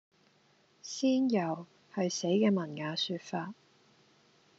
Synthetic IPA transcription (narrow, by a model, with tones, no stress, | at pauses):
siː˥njɐ˨˩w | hɐ˨jse˨˥jkɛː˧mɐ˨˩nŋaː˨˧syː˧t̚faː˧t̚